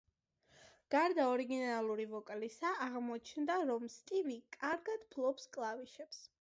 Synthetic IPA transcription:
ɡ̥aɾd̪aɔɾiɡinalˠuɾivɔkʼlisaʔːʁmɔt͡ʃʰnd̪aɾɔmst̪ʼilikʼaɾɡad̪̥pʰlˠɔpskʼlˠaviʃɛps

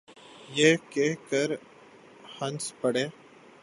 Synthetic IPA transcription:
jeːkekəɾ | hənspəɽeː

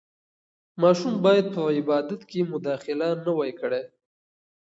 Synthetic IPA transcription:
mɑʃumbɑjad̪̚pəɪbɑd̪at̪kemʊd̪ɑxɪlanəwajkəɽe

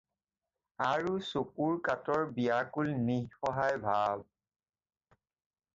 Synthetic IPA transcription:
aɹusokuɹkatɔɹbiakulnihxɔɦajbʱab

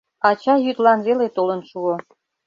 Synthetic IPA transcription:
ɑt͡ɕɑjyt̪lɑnβelet̪olənʃuo

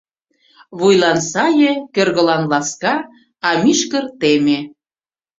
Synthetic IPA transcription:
βujlɑnsɑjekørɣə̆lɑnlɑskɑ | ɑmiʃkərt̪eme

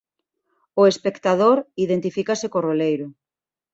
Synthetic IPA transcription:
ʊespekt̪aðoɾiðent̪ifikasɪkorolejɾʊ

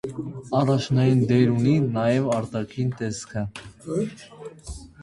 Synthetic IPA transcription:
ɑrɑt͡ʃʰnɑjind̪ɛɾuninɑjɛvɑɾt̪ɑkʰint̪ɛskʰə

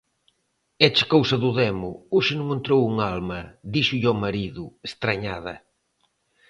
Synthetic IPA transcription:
ɛt͡ʃɪ̥kowsɐðʊðɛmʊ̰uʃɪnʊŋẽnt̪ɾowuŋalmɐðiʃʊʎɔmɐɾiðʊest̪ɾaɲaðɐ̰

